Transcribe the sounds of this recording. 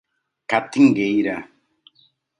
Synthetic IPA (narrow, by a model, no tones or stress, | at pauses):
kat̪iŋɡejɾa